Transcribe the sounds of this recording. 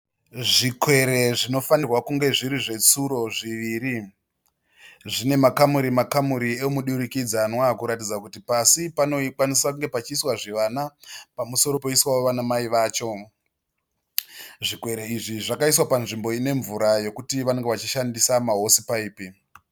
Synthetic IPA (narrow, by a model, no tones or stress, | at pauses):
ʐikwe̞ɾe̞ʐino̞fanirwakuŋɡe̞ʐiɾiʐe̞t͡suɾo̞ʐiʋiːɾi | ʐine̞makamuɾimakamuɾiemuɗuɾikid͡zanwakuɾatid͡zakutipasipano̞ikwanisakuŋɡe̞pat͡ʃiswaʐiʋanapamuso̞ɾo̞pe̞iswaoʋanamaiʋaːt͡ʃo̞ | ʐikwe̞ɾe̞iʐiʐakaiswapanʐimbo̞ine̞ɱvuɾaje̞kutiʋane̞ŋɡeʋat͡ʃiʃandisamaɦo̞sipaiːpi